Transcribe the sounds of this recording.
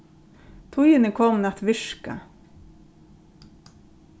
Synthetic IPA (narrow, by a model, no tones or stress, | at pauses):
t̪ʰʊjənəkʰɔmnɛt̪ʋɪʃkɑ̰